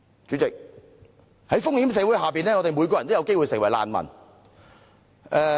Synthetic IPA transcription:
t͡syː˨˥t͡sɪ˨k̚ | hɐ˨˥jfʊ˥ŋhiː˨˥ms̬ɛː˨˧wu˨˥jhaː˨piː˨nɛː˥ŋɔ˨˧t̪e˨jmu˨˧jkɔː˧jɐ˨˩nt̪jwke˥jwu˨˧jsɪ˨˩ŋwɐ˨˩jla̰ː˨nmɐ̰˨˩n | ʔɛː˧

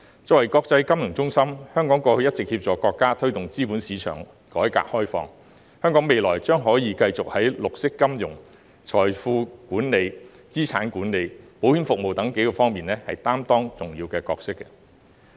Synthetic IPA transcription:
t͡sɔː˧˥wɐ˨˩jkɔː˧k̚t͡sɐ˧jkɐ˥mjʊ˨˩ŋt͡sʊ˥ŋsɐ˥mhœː˥ŋkɔː˨˥ŋkɔː˧hɵ˧jɐ˥t̚t͡sɪ˨k̚hiː˧p̚t͡sɔː˨˧kɔː˧kːaː˥t̪ʰɥt̪ʊ˨ŋt͡siː˥puː˨˥nsiː˨˧t͡ʃʰœ̰ː˨˩ŋ | kɔː˨˥jka̰ː˧˨k̚hɔː˥jfɔ̰ː˧ŋ | hœː˥ŋkɔː˨˥ŋme˨jlɔː˨˩jt͡ʃœː˥ŋɦɔː˨˥jiː˨˧kɐ˧jt͡sʊ˨k̚hɐ˨˥jlʊ˨k̚sɪ˥kːɐ˥mjʊ˨˩ŋ | t͡ʃʰɔː˨˩jfuː˧kuː˨˥nne˨˧j | t͡siː˥t͡sʰa̰ː˨˥nkuː˨˥nne˨˧jpo˨˥whyː˨˥nfʊ˨k̚mo˨wt̪ɐ˨˥ŋke˨˥jkɔː˧fɔː˥ŋmiː˨˩nɛː˥hɐ̰˨jt̪aː˥mt̪ɔː˥ŋt͡sʊ˨˩ŋjiː˧wkɛː˧kɔː˧k̚sɪ˥kː

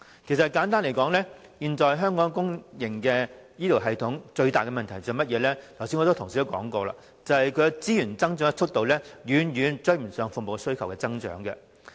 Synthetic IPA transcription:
kʰsɐ˨kaː˨˥nt̪aː˥nle˨˩kɔː˨˥ŋlɛː˥ | jiː˨˧nt͡ʃɔː˨˧jɦœː˥ŋkɔː˨˥ŋkʊ˥ŋjɪ˨˩ŋkɛː˧jiː˥t̪ʰi˨˩wɦɐ˨jt̪ʰʊ˨˥ŋt͡ʃɵ˧ɥt̪aː˨jkɛ˧mɐ˨nt̪ʰɐ˨˩jt͡sœː˨mɐ˥t̚jɛː˨˧lɛː˥t̪ʰwsiː˥nŋɔ˧t̪o˥t̪ʰŋsiː˧˥t̪kɔː˨˥ŋkɔː˧la̰ː˧ | t͡sɐ˨whɐ˨jkʰɵ˨˧t͡siː˥jyː˨˩nt͡sɐ˥ŋt͡ʃœː˨˥ŋ˥˧t͡ʃʰʊ˥t̪o˨wlɛː˥jyː˨˧njyː˨˧nt͡ʃɵ˥ɥm̩˨˩sœː˨˧ŋfʊ˨mo˨˧wsɵ˥ɥkʰɐ˨˩wkɛː˧t͡sɐ˥ŋt͡ʃœ̰ː˨˥ŋkɛ̰˧

